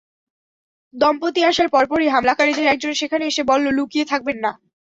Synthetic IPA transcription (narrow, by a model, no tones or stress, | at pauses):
d̪ɔmpot̪iaʃaɾpɔɾpɔɾiɦamlakaɾid̪ʱeɾɛk̚d͡ʑonʃekʰaneeʃebɔlːolukiet̪ʰak̚benːa